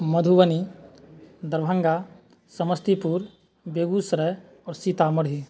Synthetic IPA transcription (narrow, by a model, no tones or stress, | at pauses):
məd̪ʱuʋəni | d̪əɾbʱə̃ŋɡa | səməst̪ipuɾ | beːɡusɾɛ | ɔːɾsit̪aməɽ̤ɦi